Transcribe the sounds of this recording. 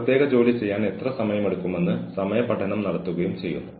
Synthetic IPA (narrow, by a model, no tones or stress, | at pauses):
ɐt̪jeːɣɐd͡ʑo̞ːlit͡ɕe̞jːaːne̞t̪rɐsɐmɐjɐmeɽukːume̞nːɨsɐmɐjɐpːɐʈʰːɐnɐmnɐɽɐt̪ːuɣɐjumt͡ɕe̞jːṵnːu